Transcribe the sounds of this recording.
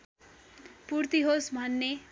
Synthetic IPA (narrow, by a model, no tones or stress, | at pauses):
purt̪iɦosbʱʌnːe